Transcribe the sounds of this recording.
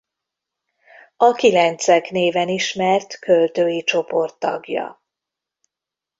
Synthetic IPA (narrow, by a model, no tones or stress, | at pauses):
ɒkilɛnt̪sɛkneːvɛniʃmɛrt̪kølt̪øːjit͡ʃo̞po̞rt̪ːɒ̰ɡjɒ̰